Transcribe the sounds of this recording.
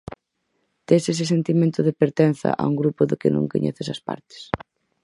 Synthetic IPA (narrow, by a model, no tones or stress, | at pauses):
t̪eses̬ɪsent̪imẽnt̪ʊðɪpeɾt̪en̟θɐ̰ʔauŋɡɾupʊðɪkɪ̰nõ̰ŋko̰ɲɛ̰θɪsɐspa̰ɾt̪ɪ̥s